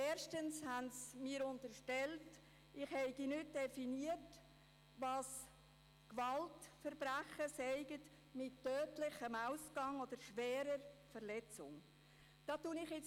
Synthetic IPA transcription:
ɛːɾʃtənshæntsmiːəɾʊntəɾʃtɛlt | ʔɪχhɛɪɡinʏt̚d̥ɛfiniət | ʋɑːs | kʋɑltfəɾbɾæχəsɛɪɡət | mɪtːœːtlɪχəmaʊsɡ̥ɑŋod̥̪əɾʃʋɛːɾəɾfəɾlɛt͡sʊ̰ŋ | d̥ɑːtunɪχɪt͡s

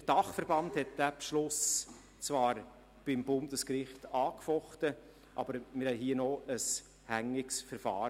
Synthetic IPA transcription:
əd̥ɑχfəɾb̥ɑnthɛt̚d̥æpʃlʊs | t͡svɑːɾ | b̥ɪmbʊnd̥əskɾɪχtɑːkfɔχtə | ʔɑ̰bəɾmɪɾhɛɪɦiːənɔəs | hæŋːɪksfəɾfɑ̰ː

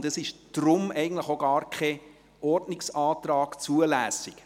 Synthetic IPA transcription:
ndəsɪʃd̥ɾʊmɛɪɡən̩tləχoɡɑːɾkʰɛ | ʔɔɾdnɪksɑːt̪ɾɑːɡ̥t͡suəlæːsɪk

